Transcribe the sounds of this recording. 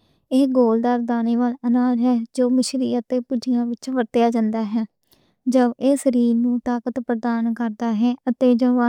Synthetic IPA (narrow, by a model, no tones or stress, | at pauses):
eːɡoːld̪aːɾd̪aːneːʋaːlənaːd͡ʒɦɛːd͡ʒoːmɪʃɾiːət̪ːeːpʊd͡ʒɪjãːʋɪt͡ʃʋəɾt̪jaːd͡ʒãːnd̪aːɦɛː | d͡ʒəʋeːsəɾiːɾnũːt̪aːkət̪pɾəd̪aːnkəɾd̪aːɦɛːət̪eːd͡ʒoːa